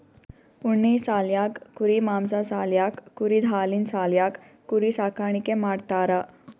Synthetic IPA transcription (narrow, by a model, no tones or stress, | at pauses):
uɳːisaljakːuɾimamsasaljakːuɾid̪ʱalinsaljakː | uɾisakaɳ̃ikemaɽt̪aɾa